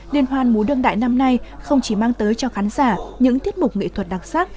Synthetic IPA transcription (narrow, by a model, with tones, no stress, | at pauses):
li˧ənɦwaː˧nmu˨˦ɗɨ˧əŋɗa̰ː˧˨jna˧mna˧jxə˧wŋ͡mt͡ɕi˧˩maː˧ŋt̪əː˨˦jt͡ɕɔ˧xaː˨˦nzaː˧˩ɲɨ̰˧˥ŋt̪i˦˥ət̚mʊ˨˩k͡p̚ŋḭ˧˨t̪ʰə˨˩t̚ɗa˨˩k̚saː˦˥t̚